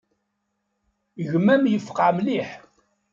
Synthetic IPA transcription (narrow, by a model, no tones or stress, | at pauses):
ʝmæmjəfə̥qʕmliħ